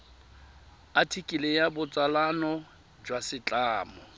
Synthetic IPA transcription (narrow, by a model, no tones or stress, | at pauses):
atʰikʼilejabʊt͡sʼalanɔ | d͡ʒwasɪt͡ɬʼaːmɔ